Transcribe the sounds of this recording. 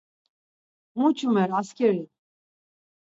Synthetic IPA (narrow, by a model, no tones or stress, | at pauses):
mut͡ʃʰumɛɾaskʲɛɾi